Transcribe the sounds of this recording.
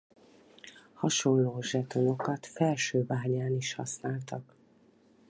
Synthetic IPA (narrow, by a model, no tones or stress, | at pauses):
hɒʃo̞nloːʒɛt̪o̞no̞kɒt̪fɛlʃøːvaːɲaːniʃhɒ̰snaːlt̪ɒk